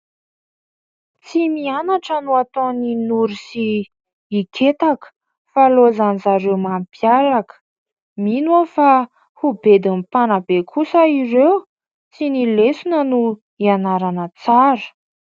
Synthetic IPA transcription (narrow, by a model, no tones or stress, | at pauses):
t͡simianaʈ͡ʂənuat̪oninuɾisiː | kʰet̪akə̥ | falozanizaɾewmampiaɾakə̥ | minofa | hubed̪imipanabekʰusəirew | t͡sinilesunənu | ianaɾanət͡saɾə̥